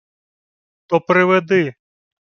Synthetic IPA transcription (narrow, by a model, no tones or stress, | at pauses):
t̪ɔpɾɪʋɛd̪ɪ